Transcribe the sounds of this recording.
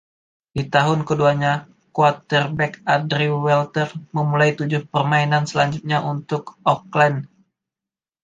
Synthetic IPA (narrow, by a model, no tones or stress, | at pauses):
dit̪aɦʊnkəduaɲa | kuat̪ərbɛkadɾiwɛlt̪ərməmulajt̪ud͡ʒʊhpərmainansəlaɲd͡ʒut̪̚ɲaʔunt̪ʊkɔklɛn